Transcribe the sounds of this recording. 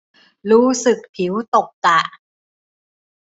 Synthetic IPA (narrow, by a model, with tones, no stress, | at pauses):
ɾuː˦˥sɯ˨˩k̚t̪ʰi˩˦wt̪o˨˩k̚t̪a˨˩